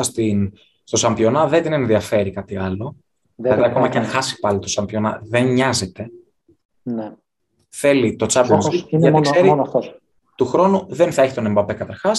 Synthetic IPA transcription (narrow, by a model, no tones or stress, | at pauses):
ɐst̪in | st̪o̞sɐmbio̞nɐðed̪ine̞nðiɐfe̞ɾikɐt̪iɐlo̞ | ɐðiɐko̞mɐceɐnxɐsi̥pɐlit̪osɐmbio̞nɐ̰ðenɲɐze̞t̪e̞ | ne | θe̞lit̪o̞t͡sɐbnziʝɐt̪ikseɾifto | t̪uxɾo̞nuðenθɐeçi̥t̪o̞nembɐpe̞kɐt̪ɐɾxɐs